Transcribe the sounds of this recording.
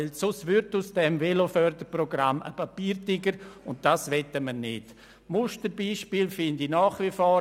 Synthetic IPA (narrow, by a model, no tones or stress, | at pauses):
ɛlsʊsʋʏɾtʊsd̥ɛmvelofœɾdəɾproɡɾamə̰papiːɾtɪɡəɾʊnt̚d̥aːsʋɛtəmənɪt | mʊʃtəɾbiːʃpiːlfɪndinaːχʋifɔː